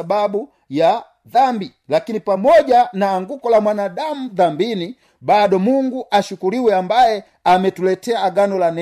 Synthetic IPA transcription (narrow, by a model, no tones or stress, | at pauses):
babu | ja | ðambi | lakinipamɔɟanaːŋɡukɔlamwanadamuðambini | badɔmuŋɡuʔaʃukuliwɛambajɛ | amɛtulɛtɛaːɡanɔlanɛ